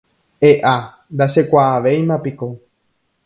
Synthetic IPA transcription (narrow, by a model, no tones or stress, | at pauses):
eʔa | nd̪aʃe̞kʷaːʋe̞jmãpiko